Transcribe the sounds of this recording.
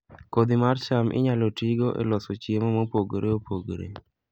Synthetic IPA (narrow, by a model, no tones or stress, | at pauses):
kod̪imart͡ʃamʔɪ̰ɲalotiɡoʔɛ̰lɔsot͡ʃiemɔmopoɡɾʔeopʰoɡɾḛ